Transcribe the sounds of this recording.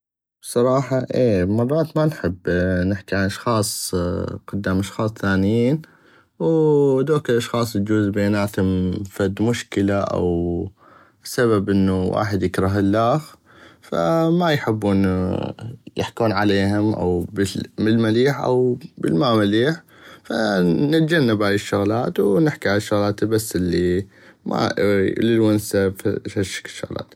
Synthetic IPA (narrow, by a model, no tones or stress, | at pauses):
b̥sˤɑɾˤɑːħɑʔeːmɑrˤːɑːt̪manħɪbːnɪħkiʕanʔɑʃxɑːsˤqʊd̪ːaːmʔɑʃxɑːsˤθaːnɪjiːn | wd̪oːkɪlʔɑʃxɑːsˤt̪d͡ʒuːzbeːnaːt̪hʊmfad̪mʊʃkɪlaʔa̰w | saβabʔɪnːuwʔa̰ːħɪd̪jɪkɾˤɑɦɪlːaːx | fa̰majħɪbːuːn | jɪħkuːnʕaleːɦʊmʔa̰wbɪmɪlmaliːħʔa̰wbɪlmamaliːħ | fanɪt̪̚d͡ʒanːabʕalɪʃːʊɣlaːt̪wnɪħkiʕalaʃːʊɣlaːt̪basːɪlːi | ma̰lɪlwansafaʃːɪ̥kɪ̥ʃːʊ̰ɣla̰ːt̪